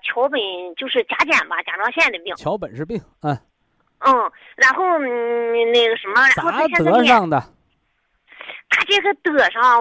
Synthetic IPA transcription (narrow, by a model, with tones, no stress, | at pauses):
t͡ɕʰjo˧˥ʊpə˨˩nt͡ɕjo˥˧ʊʂɻ̩˥˩t͡ɕja˥t͡ɕjɛ˥˩nbɐ̰˧˩t͡ɕja˨˩ʈ͡ʂɕjd̪ə˨˩pi˥˩˨t͡ɕʰjɑ˧˥ʊpə˨˩nʂɻ̩˥˧pi˥˩ŋə˥˩˥ | ɻa˧˥nxo˥˩˧ʊ | ne˥˩ɡə˩ʂə˧˥nmə˧ɻa˧˥xo˧˥ɕɤ˥˧˥ʂɑ˥˩ŋd̪ə˩ | t̪ʰa˥ʈ͡ʂe˥˩ɡə˧t̪ɤ˨˥˩ʂɑ˥˩˧